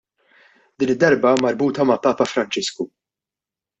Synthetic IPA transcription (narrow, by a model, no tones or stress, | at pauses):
d̪iːnɪd̪ːɐɾbɐmɐɾbuːt̪ɐmɐpɐːpɐfɾɐnt͡ʃɪsku